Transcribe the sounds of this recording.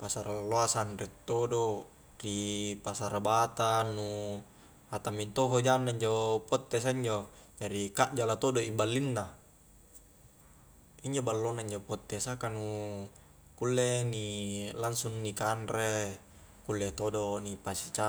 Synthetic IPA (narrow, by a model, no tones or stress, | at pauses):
pasaɾaloasanret̪ːodo | ripasaɾabat̪anːu | hat̪amint̪oɦod͡ʒanːaiɲd͡ʒopɔt̪ːes̬aiɲd͡ʒod͡ʒaɾikaʔd͡ʒalat̪odoimbalːinːa | iɲd͡ʒobalːonaiɲd͡ʒopot̪ːesakanu | kulːenilansunːikanɾe | kulːet̪odonipasi̥t͡ʃa